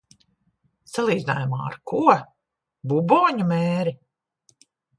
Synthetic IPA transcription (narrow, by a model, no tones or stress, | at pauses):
salˠiːd̪zina̰ːjuma̰ːa̰ɾkuɔ | bubɔːɲumeːɾi